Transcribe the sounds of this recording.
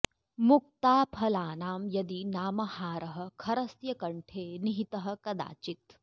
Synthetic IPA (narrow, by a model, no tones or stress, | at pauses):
muk̚t̪aːpʰɐlaːnaːmjɐd̪inaːmɐhaːɾɐɦɐ̆kʰɐɾɐsjɐkɐɳʈʰeːniɦit̪ɐɦɐ̆kɐd̪a̰ːt͡ʃit̪